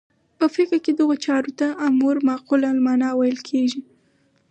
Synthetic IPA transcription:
pəfɪkɾked̪əɣot͡ʃɑɾot̪aʔːmuɾmɑqulalmɑnɑwajəlkʰeʒi

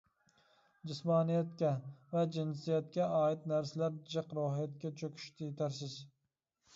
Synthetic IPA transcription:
d͡ʒɪsmɑːnijɛt̪kʲɛvɛd͡ʒinsijɛt̪̚kʲɛɑːit̪næɾsɪlæɾd͡ʒɨqɾoɦijɛt̪̚kʲɛt͡ʃʰøkʲʰy̥ʃt̪ʰɪjt̪ʰæɾsɪz̥

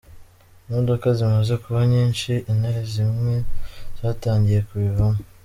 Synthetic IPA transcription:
nodokazimaze̞kuβaɲiːnʃiʔinaizimŋe̞z̥aːtaːɲɟije̞kuβiβamo

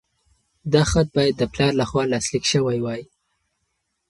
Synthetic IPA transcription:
d̪ɑxat̪̚bɑjad̪ːəplɑɾlaxwɑlɑslikʃəwajwɑji

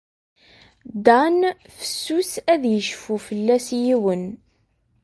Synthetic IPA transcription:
d̪æn | fə̥sːusæðjəʃfufəlːæsjiwən

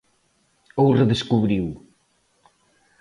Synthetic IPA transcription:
owrəðəskuβɾiw

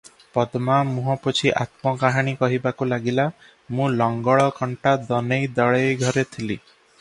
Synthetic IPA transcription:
pɔd̪mamuɦɔ̃put͡ʃʰiʔa̰t̪mɔɡaɦaɽ̃ikɔɦibakulaɡila | mũlɔŋɡɔɭɔkɔɳʈad̪ɔnejd̪ɔɭejɡʱɔɾet̪ʰili

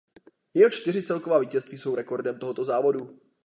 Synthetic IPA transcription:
jɛɦot͡ʃt̪ɪr̝ɪt͡sɛlko̞vaːviːcɛst̪viːso̞wɾɛko̞ɾdɛmt̪o̞ɦot̪o̞zaːvo̞du

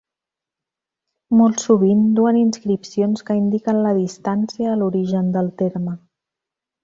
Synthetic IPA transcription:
molˠsuβind̪uəninskɾipsionskəind̪ikənləðist̪ansiəːluɾiʒənd̪əlˠt̪eɾmə

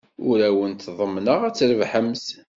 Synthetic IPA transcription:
ʊɾæwənt̪ðˤəmːnəʁæt͡sːɾəvħəms

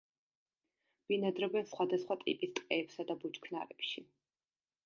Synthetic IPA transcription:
b̥inad̪ɾɔbɛnsχwad̪asχwat̪ʼḭpʼist̪ʼqʼɛːpsad̪abut͡ʃkʰna̰ɾɛpʃi

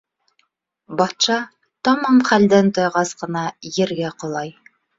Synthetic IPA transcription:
bɑt̪ʃɑ | t̪ɑmɑɴχæld̪ænt̪ŏjʁɑsqɤ̆nɑjɘ̆ɾɡæqŏlˠɑj

